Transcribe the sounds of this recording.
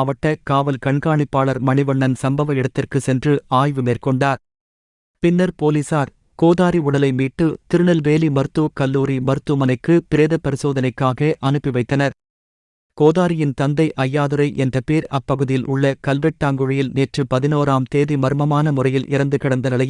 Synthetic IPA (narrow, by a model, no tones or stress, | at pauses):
ɐʋɐʈːɐkaːʋɐlkɐɳɡaːɳɪpːaːɭɐɾmɐɳɪʋɐɳːɐnsɐmbɐʋɐɪɽɐt̪ːɪrkɯsɛndrɯaːjʋɯmeːrkɔɳɖaːɾ | pɪnːɐɾpoːlisaːɾ | koːðaːɾiʊɽɐlɐɪmiːʈːɯt̪ɪɾɯɳɐlʋeːlimɐɾɯt̪ːuʋkɐlːuːɾimɐɾɯt̪ːɯmɐnɐɪkːɯpɪɾeːðɐpːɐɾɪsoːðɐnɐɪkːaːɣɐʔɐnɯpːɪʋɐɪt̪ːɐnɐɾ | koːðaːɾɪjɪnt̪ɐnd̪ɐɪʔɐjːaːðɯɾɐɪʔɛndrɐpiːɾɐpːɐɣɯðɪjɪlʔʊɭːɐkɐlʋɛʈːaːŋɡɯɻɪjɪlneːʈrɯpɐðɪnoːɾaːmt̪eːðimɐɾɯmɐmaːnɐmʊrɐjɪlʔɪ̰ɾɐnd̪ɯkɪɽɐnd̪ɐnɐlɐj